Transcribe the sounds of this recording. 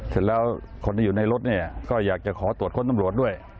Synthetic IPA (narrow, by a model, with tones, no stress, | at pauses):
sʰɯ˧˩lɛː˦˥w | kʰo˧nt̪ʰiː˥˩˨uː˨˩na˧jɾo˦˥t̪̚ni˥˩ɐkɔː˥˩jaː˨˩k̚t͡ɕa˨˩kʰɔː˩˦t̪u˨˩ət̪̚kʰo˧˥nt̪mɾu˨˩ət̪̚u˥˩əj